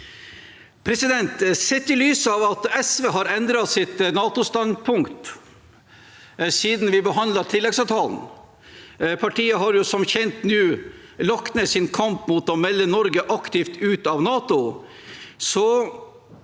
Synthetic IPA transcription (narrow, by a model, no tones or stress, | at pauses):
pʰɾɛsɪd̪ɛnt̪sɛt̪ːɪlyːsɑʋɑt̪ɛsʋeːɦɑɾɛnd̪ɾɑsɪt̪nɑːt̪ʊst̪ɑnpʰʊŋkt̪ | siːd̪n̩ʋɪbəɦɑnd̪lɑt̪ʰɪlːɛɡsɑːʋt̪ʰɑːln̩ | pʰɑʈʰiːəɦɑɾjʊsɔmçɛnt̪nʉːlɔknəsɪnkʰɑmpmuːt̪ɔmɛlːənɔɾɡəʔɑkt̪ɪft̪ʉːt̪ɑʋnɑːt̪ʊ | sɔ